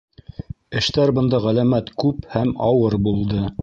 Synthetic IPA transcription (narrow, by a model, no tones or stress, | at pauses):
ɘ̆ʃt̪æɾbɤ̆nd̪ɑʁælæmæt̪kʉphæmɑwɤɾbulˠd̪ɤ